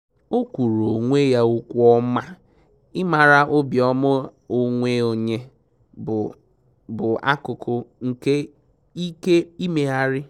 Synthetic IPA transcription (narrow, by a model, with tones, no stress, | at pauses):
o˦kʷu˨ɾo˨ŋʷe˦ja˦ʊ˦kʷɔ˦ma˦ | ɪ˦ma˨ɾa˦ʔʊ˦bjɔ˦mʊ˦o˨ŋʷe˦o˨ɲe˦˨ | bʊ˨a̰˦kʊ˨kʊ˨ŋ̩˨ke˦ | i˦ke˦i˦me˨a˦ɾɪ˦